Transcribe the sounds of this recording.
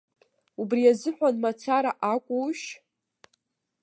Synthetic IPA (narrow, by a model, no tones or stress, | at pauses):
ubrijazɨħʷᶣanmat͡sʰaɾaʔakʷʼuʃ